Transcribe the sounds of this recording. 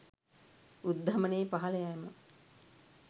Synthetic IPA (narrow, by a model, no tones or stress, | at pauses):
ud̪ːʱɐməneːpaɦɐləjajmə